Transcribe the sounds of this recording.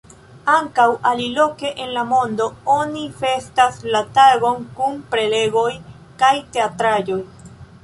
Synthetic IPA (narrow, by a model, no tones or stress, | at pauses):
aŋkawʔalilo̞ke̞ʔenlamo̞ndoonife̞staslataɡo̞nkunpɾe̞le̞ɡo̞j | kajte̞atɾad͡ʒo̞j